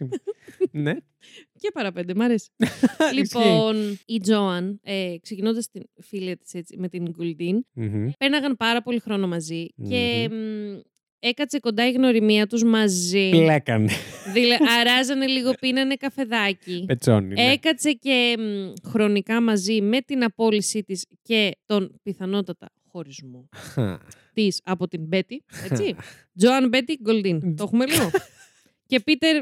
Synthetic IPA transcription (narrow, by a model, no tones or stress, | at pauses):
ne | cepɐɾɐpe̞nd̪emɐɾe̞si̥liponid͡zo̞ɐnekse̞cino̞nd̪ɐst̪infiliɐt̪i̥se̞t͡sime̞t̪iŋɡuld̪in̩penɐɣɐnpɐɾɐpo̞lixɾo̞no̞mɐzice̞m | ekɐt͡se̞ko̞nd̪ɐiɣno̞ɾimiɐt̪uzmɐzilekɐneðileɐɾɐzɐne̞liɣo̞pinɐne̞kɐfe̞ðɐcipet͡so̰nḭekɐt͡se̞ce̞mxɾo̞nikɐmɐzime̞t̪inɐpo̞lisit̪isce̞t̪o̞npiθɐno̞t̪ɐt̪ɐ | xo̞ɾizmo̞̰ | t̪isɐpot̪imbe̞t̪ie̞t͡si | d͡zo̞ɐnbe̞t̪iɡo̞ld̪int̪o̞xumeliɣo | ce̞pit̪e̞ɾ